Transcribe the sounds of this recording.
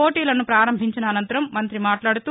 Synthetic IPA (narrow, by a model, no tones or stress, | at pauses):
oːʈiːlɐnupɾaːɾɐmbʱiɲt͡ʃinɐːnɐnt̪ɐɾɐmːɐnt̪ɾimaːʈlaːɽut̪u